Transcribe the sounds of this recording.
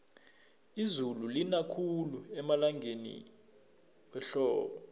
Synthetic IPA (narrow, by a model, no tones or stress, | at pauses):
izululinakʰuluɛmalaŋʱenḭ | wɛɬɔːɓɔ